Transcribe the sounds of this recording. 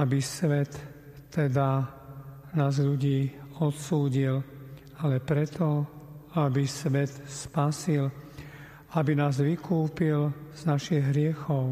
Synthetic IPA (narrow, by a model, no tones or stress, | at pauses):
abisʋɛt̪ː | ɛd̪a | naːzʎuɟiːɔt̪suːɟil | alɛpɾɛt̪ʰɔabisʋɛt̪spasil | abinaːzʋikuːpilz̥naʃiɣɦɾɪɛxɔʊ